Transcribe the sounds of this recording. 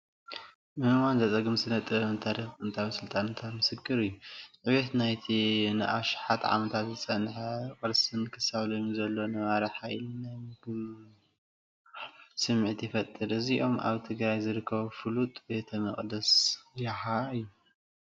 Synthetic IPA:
mɨɨmanzɐt͡sʼɐɡɨmsɨnɐt̪ʼɨɐmɨt̪ʰaɾɐɨnt̪ʰawsɨlt̪ʼannt̪ʰamɨsɨkʰʼːɨɾɨjːuʔɨβet̪najt̪ʰinɨʔaʃɪ̥ħat̪ʕa̰mɐt̪ʰat̪zɨt͡sʼɐnħakʼɨɾsɨnkʰɨsaβlomizɐlːo̞nɐβaɾɐħajlnɐbɨ | sɨmːɨʕt̪jɪfɐt̪ʼːɨɾɨziʔo̞mʔa̰βt̪ʰɨɡɾajzɨɾɨkʰːɐβfɨlut̪ʼbe̞t̪ʰɐmɨχʼd̪ɐsjaxaɨjːu

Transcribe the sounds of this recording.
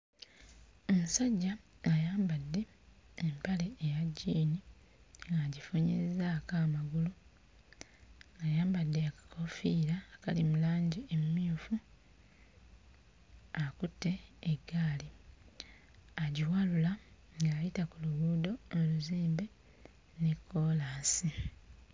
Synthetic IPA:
omusaɟːaajaːmbadːe̞ː | mpale̞ːjaɟːiːni | ŋɡaɟifuɲiezakaːmaɡulu | ŋɡajaːmbadːeakḁkʰo̞fiːɾaːkalimulaːɲɟiemumiufu | akutːe̞ːɡːaːli | aɟiwalula | ŋɡaːjitakuluɣuːdo̞oluziːmbe̞ | nekʰːo̞ːlaːsi

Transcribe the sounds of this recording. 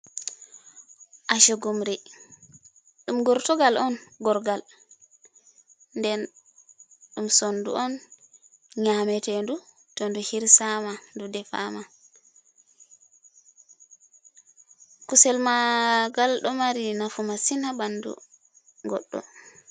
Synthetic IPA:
ʔaʃoɡumɾi | ɗumɡɔɾtɔɡalɔnɡɔɾɡal | ndɛn | ɗumsondṵʔɔn | ɲamɛtɛndu | tɔnduhiɾsamandudɛfa̰ma | kusɛlmaɡalɗɔmaɾinafumasinabandṵ | ɡɔɗːɔ̰

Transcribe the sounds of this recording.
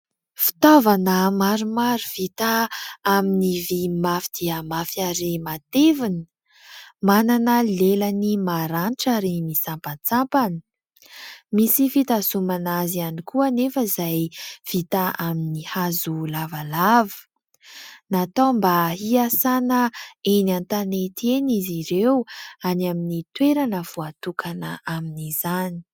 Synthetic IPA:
fi̥t̪ovanəmaɾumaɾuv̥it̪aaminivimafid̪̥iəmafiaɾemat̪evinə̥ | mananəlelənimaɾanʈ͡ʂaɾimisampant͡sampanə̥ | misifit̪asumanazianikuənefəizajv̥it̪aaminihazulavalavə̥ | nat̪ombaɦiasanəenant̪anet̪ʰeniziɾewanaminit̪weɾanəv̥uat̪ukʰanəaminizani̥

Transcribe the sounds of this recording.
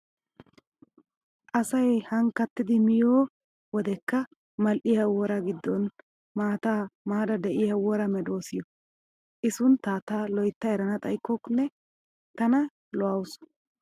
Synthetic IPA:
ʔɐsɐjhɐŋkɐt̪ːɪd̪ɪmɪjoː | wɔd̪ɛkːɐ | mɐlʔɪjɐwɔɾɐɡɪd̪ːɔn | maːt̪aːmaːd̪ɐd̪ɛʔɪjɐwɔɾɐmɛd̪o̞ːsɪjɔ | ʔɪsʊnt̪aːt̪alɔjt̪ːɐɛɾɐnɐt̪ʼɐjkːɔknːɛ | t̪ɐnɐ | lɔɐwʊs

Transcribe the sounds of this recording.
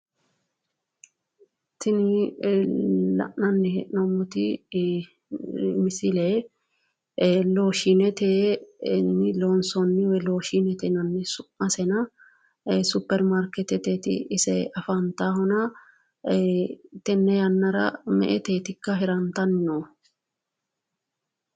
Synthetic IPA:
t̪ɪnɪ | lɐ̰ʔnɐnːɪhɛʔnɔmːʊt̪ɪ | mɪsɪle | lo̞ːʃinɛt̪eːnːɪloːnsɔnːɪwɛloːʃiːnɛt̪ɛnɐnːɪsʊʔːɐsɛnɐ | sʊpːɛɾmaɾkɛt̪ɛt̪eːt̪ɪ̰ɪsɛɐfɐnt̪aːhɔnɐ | t̪ɛnːɛjɐnːɐɾɐ̰mɛ̰ʔɛt̪eːt̪ɪkːɐɦɪɾɐnt̪ɐnːo

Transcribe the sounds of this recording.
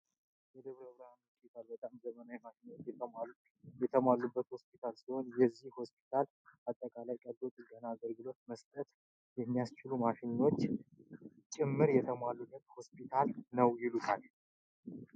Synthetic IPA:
jɛd̪əβɾəβɾaanho̞spʰit̪ʰalbət̪ʼamzəmənawimaʃɪnːot͡ʃː | jɛt̪ʰəmalːubːət̪ho̞spʰit̪ʰalsiho̞njɛzːihhosp̚ʰi̥t̪ʰal | at̪ʼːəkʼalajkʼəd̪ot̪ʼɨɡənaːɡəlɡɨlo̞t̪məst̪ʼət̪ | jɛmːijast͡ʃɪlumaʃɪnːo̞t͡ʃː | t͡ʃʼɪmːɨɾjɛt̪ʰəmalːubːət̪ho̞spʰit̪ʰalnəwjɪlut̪ʰal

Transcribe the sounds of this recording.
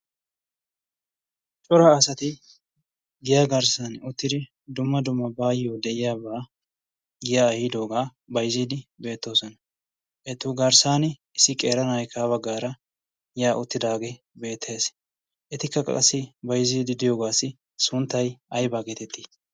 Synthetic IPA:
t͡ʃʼɔɾaːsɐt̪ɪ | ɡɪjaːɡɐɾsɐnʊt̪ːɪd̪ɪ | d̪ʊmːɐd̪ʊmːɐbaːjjoːd̪ɛʔɪjaːbaː | ɡɪjahɪːd̪o̞ːɡaː | bɐjziːd̪ɪbe̞ːt̪ːo̞ːsɔnɐ | ʔɛt̪ːʊːɡɐɾsaːnɪɪsːɪkʼeːɾɐnɐjkaːβɐɡːaːɾɐ | jaːʔʊt̪ːɪd̪aːɡe | be̞ːt̪ʰːeːs | ʔɛt̪ɪkːɐkʼɐ̰ɐ̰sːɪbɐjziːd̪ɪd̪ɪjoːɡaːsːɪ | sʊnt̪ːɐjɐjbaːɡeːt̪ɛt̪ʰːiː

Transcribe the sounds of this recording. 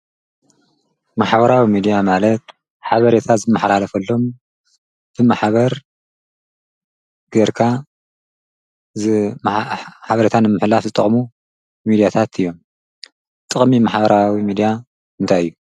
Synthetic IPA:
maħβɐɾawimid̪ijamalɐt̪̚ | ħaβɐɾet̪ʰazɨmːɨħlalɐfɐlːo̞m | b̥ɨmaħβɐɾ | ɡ̥eɾkʰa | zmħaβɐɾet̪ʰanɨmːɨħlafzɨt̪ʼɐχʼmu | mid̪ijat̪ʰat̪ʰɨjːo̞m | t̪ʼɨχʼmimaħbɐɾawimid̪ija | mɨnt̪ʰajɨjːu

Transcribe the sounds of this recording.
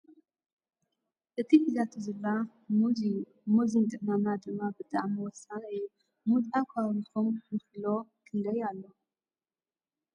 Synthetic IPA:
ʔɨt̪ʰiħɨzat̪ʰuzɨlːa | muzint̪ʼɨʔmamad̪ɨmːabɨt̪ʼaʕmiwɔsanɨju | mut̪ʼakʷʰawnxomjɨflokʰɨnd̪ɐjalːo

